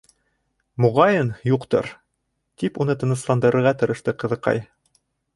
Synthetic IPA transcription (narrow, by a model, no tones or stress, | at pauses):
muʁɑjɤnjuqt̪ɤ̰ɾ | t̪ipunɤt̪ɤ̆nɤ̆slˠɑnd̪ɤ̆ɾɤ̆ɾʁɑt̪ɤ̆ɾɤ̆ʃt̪ɤqɤ̆ðɤ̆qɑ̰j